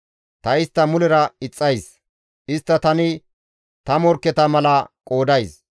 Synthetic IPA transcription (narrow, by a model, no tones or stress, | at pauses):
t̪ɐɪst̪ːɐmʊlɛɾɐɪt͡sʼːɐjs | ʔɪst̪ːɐt̪ɐnɪ | t̪ɐmɔɾkːɛt̪ɐmɐlɐkʼo̞ːd̪ɐjs